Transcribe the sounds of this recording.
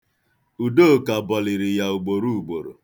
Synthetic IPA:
u˨do˦˨ka˨bɔ˨lɪ˨ɾɪ˨ja˨o˨ɡ͡bo˨ɾu˦u˨ɡ͡bo˨ɾo̰˨

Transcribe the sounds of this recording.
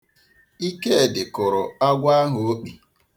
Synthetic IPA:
i˦ke˦˨dɪ˨kʊ˨ɾʊ˨a˦ɡʷa˦a˦ɦʊ˨o˦k͡pi˨

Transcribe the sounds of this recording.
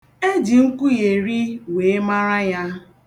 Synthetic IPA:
e˦d͡ʒi˨ŋ̩˦kʷu˦je˨ɾi˦we˨˦ma˦ɾa˦ja˦

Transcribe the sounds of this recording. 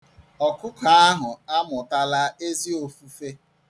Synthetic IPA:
ɔ˨kʊ˦ka˦a˦ɦʊ˨a˦mʊ˨ta˦la˦e˦zi˦o˨fu˦fe˦

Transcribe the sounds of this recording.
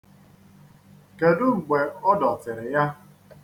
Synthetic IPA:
ke˨dʊ˦ŋ͡m̩˨ɡ͡be˨ɔ˦dɔ˨tɪ˨ɾɪ˨ja˦

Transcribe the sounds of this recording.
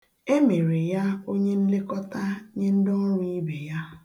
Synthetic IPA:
e˦me˨ɾe˨ja˦o˦ɲe˦n̩˦le˦kɔ˦ta˦ɲe˦n̩˦dɔ˦ŋ̩˦ɾʊ˦i˦be˨ja˦

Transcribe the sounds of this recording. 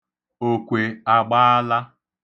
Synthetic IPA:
o˨kʷe˨a˨ɡ͡ba˦a˦la˦

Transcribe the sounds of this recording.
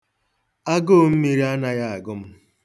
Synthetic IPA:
a˦ɡo˦m̩˦mi˦ɾi˦a˦na˨ja˦˨a˨ɡʊ˦m̩˦

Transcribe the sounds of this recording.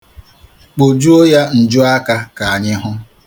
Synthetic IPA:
k͡po˨d͡ʒu˦o˦ja˦n̩˨d͡ʒʊ˦a˦ka˦ka˨a˨ɲɪ˦ɦʊ˦

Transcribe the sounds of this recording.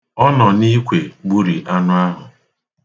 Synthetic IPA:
ɔ˦nɔ˨ni˦kʷe˨ɡ͡bu˦ɾi˨ʔa˦nʊ˦a˦ɦʊ˨

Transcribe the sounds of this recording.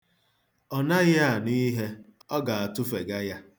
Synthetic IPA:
ɔ˨na˦ɣɪ˦a˨ni˦ɦe˦ | ɔ˦ɡa˨a˨tʊ˦fe˨ɡa˦ja˦

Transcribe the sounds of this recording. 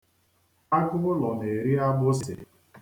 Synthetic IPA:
a˦ɡʊ˦ʊ˦lɔ˨ne˨e˨ɾi˦a˦bʊ˦sɪ˨sɪ̰˨

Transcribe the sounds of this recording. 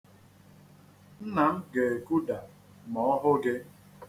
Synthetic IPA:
n̩˦na˨m̩˦ɡe˨e˨ku˦da˨ | mɔ˦ɔ˦ɦʊ˦ɡɪ˦

